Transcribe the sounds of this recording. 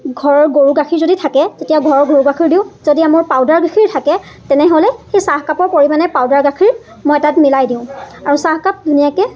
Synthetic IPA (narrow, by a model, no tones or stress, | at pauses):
ɡʱɔɹɔɹɡoɹuɡaxʰiɹzoditʰakɛtetijaɡʱɔɹɔɹɡoɹuɡakʰiɹdĩʊ̃zodiamʊɹpawdaɹɡakʰiɹtʰakɛ | tɛnɛɦolɛxejsaɦkapɔɹpoɹimanɛpawdaɹɡakʰiɹ | mojtatmilajdiʊ̃aɹusahkap̚dʱunijakɛ